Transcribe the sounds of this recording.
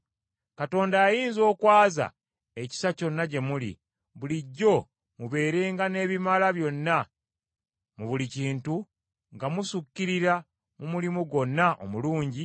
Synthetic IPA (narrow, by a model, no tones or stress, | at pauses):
kato̞ːndaːjiːnzo̞ːkwaːza̰ | eci̥saco̞nːaɟe̞mulḭ | βuliɟːo̞ | muβe̞ːɾe̞ːŋɡane̞ːβimalaβjo̞nːa | muβuliciːntu | ŋɡamusukːiɾiɾa | mumulimuɡo̞nːaʔo̰muluːɲɟi